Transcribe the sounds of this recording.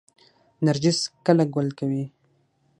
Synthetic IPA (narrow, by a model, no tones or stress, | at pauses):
naɾd͡ʒɪskalaɡwalkawi